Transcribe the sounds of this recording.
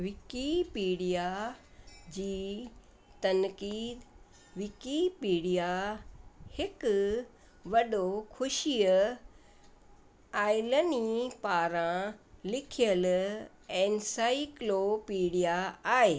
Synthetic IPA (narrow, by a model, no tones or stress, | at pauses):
ʋɪkipiːɽija | d͡ʑiː | t̪ɐnkiːd̪ | ʋɪkipiːɽija | hɪk | ʋɐɗokʰʊʃiə | aːɪlənipaːɾãlɪkʰijəl | ɛːnsaːɪklopiːɽijaaːɦeː